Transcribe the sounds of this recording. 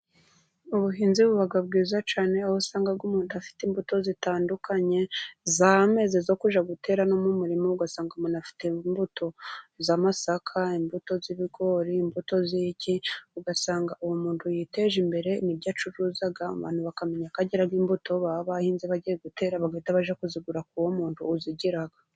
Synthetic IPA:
uβuɦiːnziβuβaɡabɡiːzat͡ʃaːne̞ahosaːŋɡab̚ɡumuːntuafi̥tiːmbuto̞zitaːndukʰaɲe̞zame̞ze̞zokuʒaɡute̞ːɾanomumuɾimouɡasaːŋɡamuːnafi̥tembuto̞zamasakʰaimbuto̞ziβiɡo̞ɾiːmbuto̞ziciuɡasaːŋɡaʔuwomuːntʰujite̞ʒimbe̞ɾe̞imibɟaːt͡ʃuɾuːzaɡa̰βa̰ːnhuβakame̞ɲakaɟiɾaɡiːmbuto̞βaβahiːnziβaɟijeɡute̞ːɾaβaɡeːtaβaʒakuziɡuɾak̚uwomuːntʰuːziɟiɾaɡa

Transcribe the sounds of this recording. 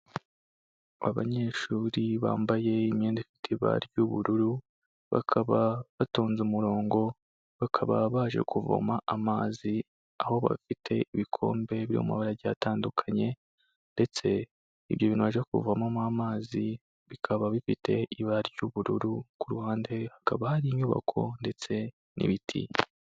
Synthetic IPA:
a̰βa̰ɲe̞ʃuːɾiβa̰ːmbaje̞imiːnzifi̥tʰiβa̰ɾɟuβuɾuɾu | βa̰kʰaβaβatoːnzumuɾo̞ːŋɡo̞ | βakʰaβaβaːʒḛkuvo̰maːmaːzi | aho̞βa̰fitʰe̞iβikʰo̞̰ːmbe̞βiɾo̰muma̰βaɾaɾɟataːndukʰaɲe̞ | nde̞t͡se̞ | iβjo̞βinwaːʒekuvamamamaːzi | βikʰaβaβifitʰe̞iβaɾɟuβuɾuɾukuɾuhaːnde̞hakaβahaɾiɲuːβa̰kʰo̞̰nde̞t͡se̞ | nʔḭβitʰḭ

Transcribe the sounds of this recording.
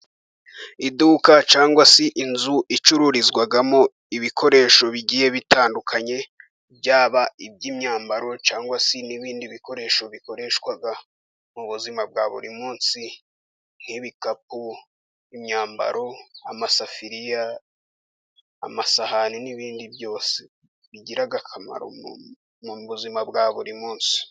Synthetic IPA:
iduːkat͡ʃaːŋɡwasiʔinzuʔit͡ʃuɾuɾizɡwaɡamo | iβikʰo̞ɾe̞ːʃo̞βiɟiːje̞βitaːndukʰaɲe̞ | bjaːβaib̚ɟiːmɲaːmbaɾo̞t͡ʃaːŋɡwasiniβiːndiβiko̞ɾe̞ːʃo̞βiko̞ɾe̞ʃkwaɡa | muβuzimab̚ɡaːβṵɾimuːnsi | n̥iβikap̚u | imɲaːmba̰ɾo̞amasafiɾija | masahaniniβiːndibjo̞ːse | βiɟiɾaɡakʰama̰ɾo̰ | muβuzimabɡaːβuɾimuːnsi̥

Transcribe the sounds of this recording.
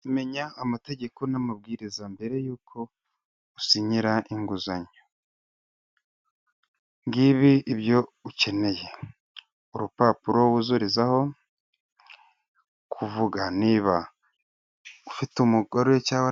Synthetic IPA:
ime̞ɲaːmate̞ɟe̞ko̞namab̚ɡiːɾizambe̞ɾe̞juːkʰo̞ | usiɲiɾaʔiŋɡuzaɲo | ŋɡiβiiβjo̞uce̞ne̞je̞ | uɾupaːpuɾo̞wuzuɾizaho̞ | kʰuvuɡaniβa | ufitumuɡoɾoecawa

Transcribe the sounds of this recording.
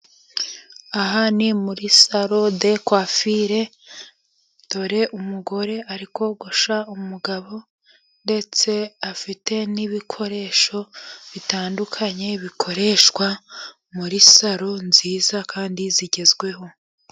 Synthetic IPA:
aɦanimuɾisaɾo̞de̞kwafiɾe̞ | d̥o̞ɾe̞ʔumuɡo̞ɾe̞aɾiko̞ɡuʃaumuɡaβo̞ | nde̞t͡se̞afite̞niβikʰo̞ɾe̞ːʃo̞βitaːndukʰaɲe̞βikʰo̞ɾe̞ːʃkwa | muɾisaɾo̞nziːzakaːndiziɟe̞zɡwe̞ɦo̞

